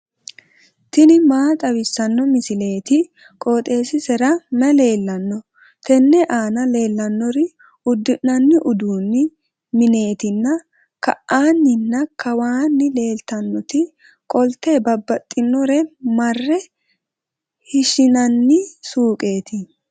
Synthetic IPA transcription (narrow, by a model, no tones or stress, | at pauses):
t̪ɪnɪmaːt̪ʼɐwɪsːɐnːɔmɪsɪle̞ːt̪ɪ | kʼoːt̪ʼe̞ːsɪsɛɾɐnɐle̞ːlːɐnːɔ | t̪ʰɛnːɛʔaːnɐle̞ːlːɐnːɔɾɪ | ʊd̪ːɪʔːɐnːɪʔʊd̪uːnːɪ | mɪne̞ːt̪ɪnːɐ | kɐʔaːnːɪnːɐkʰɐwaːnːɪle̞ːlt̪ɐnːɔt̪ɪ | kʼɔlt̪ːeːbɐbːɐt̪ʼːɪnːɔɾɛmɐrːɛ | hɪʃɪnɐnːɪsuːkʼe̞ːt̪ɪ